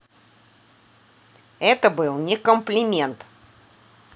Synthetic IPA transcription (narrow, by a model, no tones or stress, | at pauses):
ɛt̪əbɨlˠnʲɪkəmplʲɪmʲe̞nt̪